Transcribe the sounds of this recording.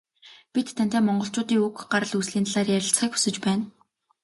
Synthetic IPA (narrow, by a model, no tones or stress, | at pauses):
pit̪ʰːæn̥ʲt̪æːmɔɴɢɞ̆ɬt͡ɕʊːt̪iːŋɵkɢaɾə̆ɮusɮiːnt̪aɮaːɾiːjæɾʲɪ̆ɬt͡sχiːku̥sɘ̆t͡ɕpæːn